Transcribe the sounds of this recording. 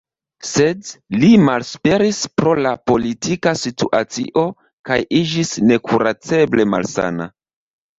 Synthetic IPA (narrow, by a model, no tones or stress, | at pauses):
sedlimalspe̞ɾispɾo̞lapo̞litikasitṵʔa̰t͡sḭʔo̞ | kajid͡ʒisne̞kʰuɾat͡se̞ble̞ma̰lsa̰na̰